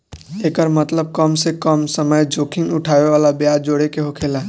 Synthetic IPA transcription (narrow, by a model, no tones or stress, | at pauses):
leːkəɾmət̪ləb̚kɔmsekɔmsəməjd͡ʒoːkɪ̃ŋɡʊʈʰaːʋeʋaːlabjaːd͡ʒoːɽekeɦokʰeːlaː